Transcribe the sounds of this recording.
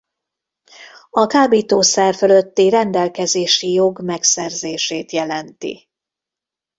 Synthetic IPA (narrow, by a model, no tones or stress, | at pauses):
ɒkaːbiːt̪oːsɛrføløt̪ːirɛnd̪ɛlkɛzeːʃijo̞ɡmɛksɛrzeːʃeːt̪jɛlɛnt̪ḭ